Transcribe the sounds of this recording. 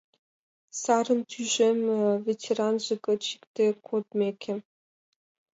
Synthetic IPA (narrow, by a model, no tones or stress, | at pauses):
sɑɾɤ̆nt̪ʰyʒemʲvʲetʲʰeɾɑnʐɤkɤ̆t͡ɕi̥kt̪ekʰot̪mʲekʲʰĕ